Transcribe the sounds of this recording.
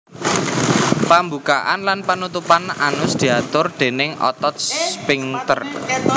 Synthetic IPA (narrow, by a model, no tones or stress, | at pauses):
pambukaʔanlanpanut̪upananʊsd̪̥i̤at̪ʊrd̪̥e̤nɪŋɔ̰t̪ɔt̪spiŋt̪ər